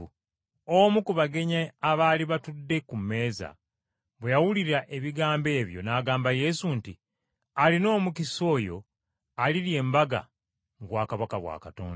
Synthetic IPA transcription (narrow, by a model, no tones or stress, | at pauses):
omukuβaɡe̞ɲaːβaːliβatudːe̞kume̞ːza̰ | βwejawuliɾaʔe̞βiɡaːmbe̞ːβjo̞̰naːɡaːmbaje̞sunti | alino̞ːmukiso̞ːjo̞̰ | aliɾje̞ːmbaɡa̰ | ŋɡwaːkaβakaβwa̰ːkato̰ːnd